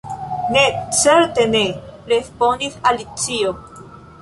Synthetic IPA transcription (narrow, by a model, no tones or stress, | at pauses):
net͡seɾt̪eneɾesponiθalit͡sio